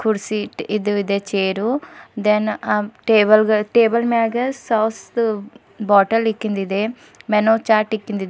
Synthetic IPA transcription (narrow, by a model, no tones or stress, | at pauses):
kuɾsiʈid̪uid̪eːt͡ʃeːɾud̪enaʈeːbɐlɡɐʈeːbɐlmaːɡɐssɐws | bɔːʈɐlikːind̪id̪e | mɛnoːt͡ʃaːɾʈikːind̪id̪